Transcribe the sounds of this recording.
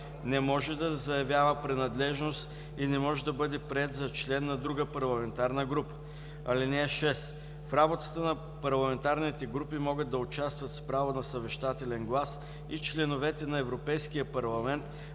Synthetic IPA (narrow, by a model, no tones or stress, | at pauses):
nɛmɔʒɛd̪ɐzɐjɐvʲjavəpɾɛnɐd̪lɛʒnost̪ | inɛmɔʒɛd̪ɐbɤd̪ɛpɾɛt̪zɐt͡ʃlɛnːɐd̪ɾuɡəpɐɾlˠɐmɛnt̪aɾnəɡɾupə̥ | ɐlinɛːʃɛs | fɾabot̪ət̪ənɐ | pɐɾlˠɐmɛnt̪aɾnit̪ɛɡɾupimɔɡəd̪̚d̪ɐʊt͡ʃast̪vɐt̪spɾavonɐsəvɛʃt̪at̪ɛlɛnɡlˠas | it͡ʃlɛnovɛt̪ɛnɐɛvɾopɛjskijəpɐɾlˠɐmɛnt̪